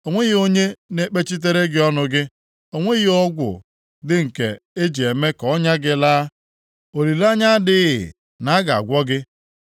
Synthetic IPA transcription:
o˨ŋʷe˦ɣi˦o˦ɲe˦ne˦k͡pe˦t͡ʃi˦t̬e˦ɾe˦ɡɪ˦ɔ˦nʊ˨˦ɡɪ˦ | o˨ŋʷe˦ɣi˦ɔ˦ɡʷʊ̰˨ | dɪ˦ŋ̩˨kḛ˨e˦d͡ʒi˨e˨me˦kɔɔ˦ɲa˦ɡɪ˦laː˦ | o˨li˨la˦ɲa˦dɪ˦ɣɪ̰˨ | na˨a˦ɡa˨a̰˨ɡʷɔ˦ɡɪ˦

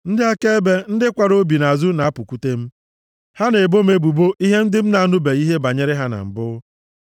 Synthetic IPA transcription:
n̩˦dɪ˦a˦ke˦e˦be˦n̩˦dɪ˦kʷa˨ɾo˦bi˨na˨zu˦na˨˦pu˨kʷu˦te˦m̩˦ | ha˦ne˨bo˦m̩˦e˦bu˨bo˦ʔi˦ɦe˦n̩˦dɪ˦m̩˦na˨a˦˨nʊ˦be˨i˦ɦe˦ba˨ɲe˦ɾɪ˦ɦa˦na̰˨m̩˨bʊ˦

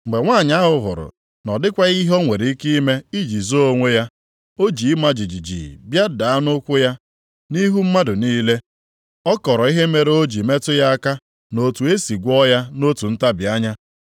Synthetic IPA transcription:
ŋ͡m̩˨ɡ͡be˨ŋʷaː˦˨ɲa˦ɦʊ˨ɦʊ̰˨ɾʊ̰˨ | nɔ˨dɪ˦kʷa˦ɣi˦ɦo˦ŋʷe˨ɾi˨˦i˦ki˦me˦i˦d͡ʒi˨zo˦o˦ŋʷe˦ja˦ | o˦d͡ʒi˨i˦ma˦d͡ʒi˨d͡ʒi˨d͡ʒḭ˨bja˦da˨a˦nʊ˦kʷʊ˦ja˦ | ni˦ɦu˦m̩˦ma˦dʊ˨niː˦le˦ | ɔ˦kɔ˨ɾɔ˨˦i˦ɦe˦me˨ɾe˦o˦d͡ʒi˨me˦tʊ˦ja˦a˦ka˦ | no˨tu˨e˦si˨ɡʷɔ˦ja˦no˦tu˨n̩˦ta˦bja˦ɲa˦

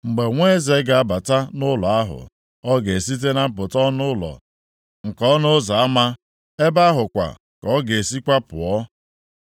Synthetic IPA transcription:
ŋ͡m̩˨ɡ͡be˨ŋʷe˦ze˨˦ɡa˨a˦ba˨ta˦nʊ˦lɔ˨a˦ɦʊ̰˨ | ɔ˦ɡe˨si˦t̬e˦na˦m̩˦p̬ʊ˨tɔ˦nʊ˦lɔ̰˨ | ŋ̩˨kɔ˦nʊ˦za˨a˦ma˦ | e˦ba˦ɦʊ˨kʷa̰˨ | kɔ˦ɡe˨e˨si˦kʷa˦pʊ̰˨ɔ˦

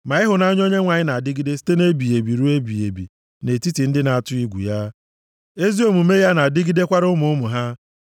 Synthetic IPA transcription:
ma˨ɪ˦ɦʊ˨na˦ɲ˦o˦ɲe˦ŋʷa˨ɲɪ˦na˨a˨dɪ˦ɡi˦de˦si̥˦te˦ne˦bi˨je˨bi˨ɾu˦e˦bi˨ḛ˨bḭ˨ | ne˨ti˦ti˨n̩˦dɪ˦na˨a˨tʊ˦i˦ɡʷṵ˨ja˦ | e˦zi˦o˨mu˨me˦ja˦na˨dɪ˦ɡi˦de˦kʷa˦ɾʊ˦mʊ˨ʊ˦mʊ˨ɦa˦

